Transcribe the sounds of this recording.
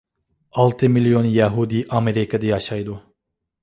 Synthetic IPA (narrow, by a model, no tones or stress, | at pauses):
alˠt̪ʰɯmilʲjonjaɦud̪iʔameɾikʰad̪ajaʃajd̪u